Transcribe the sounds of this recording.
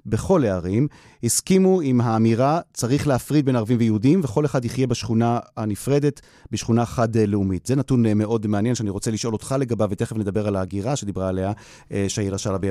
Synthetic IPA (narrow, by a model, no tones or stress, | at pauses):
be̞χo̞leaʁim | hiskimuimɦaːmiʁat͡saʁiχleafʁid̚be̞naʁavimvejeudimveχo̞leχadiχje̞baʃχunahanifʁe̞de̞t | beʃχunaχadleumitz̥enatunmeʔo̞dmeanje̞nʃeaniʁo̞t͡seliʃʔo̞lot̪χale̞ɡabavete̞χevned̪abe̞ʁalaːɡiʁaʃed̪ibʁaːle̞a | ʃeajelaʃalabe